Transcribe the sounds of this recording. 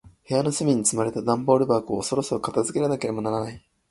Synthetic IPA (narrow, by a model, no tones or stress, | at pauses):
he̞jano̞sɨmʲiɲ̟it͡sɨmaɾe̞t̪ad̪ãmbo̞ːɾɯ̟baːkɯ̟oso̞ɾo̞soɾokat̪azɨke̞ɾanake̞ɾe̞mo̞naɾanai